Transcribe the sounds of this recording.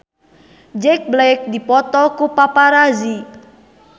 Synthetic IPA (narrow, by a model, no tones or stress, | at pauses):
d͡ʒɛk̚blaɪk̚dipɔt̪ɔkupapaɾazi